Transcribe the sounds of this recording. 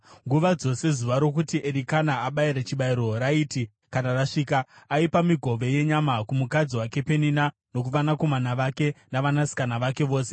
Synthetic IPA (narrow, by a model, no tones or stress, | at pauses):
ŋɡuʋad͡zo̞se̞zuʋaɾo̞kutiʔe̞ɾikanaaɓaiɾet͡ʃiɓaiɾo̞ɾaiːti | kanaraʂiːkaaipamiɡʱo̞ʋe̞je̞ɲamakumukad͡ziwake̞pe̞nina | no̞k̬uʋanako̞manaʋake̞naʋanasi̥kanaʋake̞ʋo̞ːse